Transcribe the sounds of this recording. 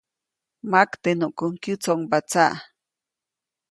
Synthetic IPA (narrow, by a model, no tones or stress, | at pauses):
makt̪enuʔkʊŋkut͡soŋbat͡sa̰ʔ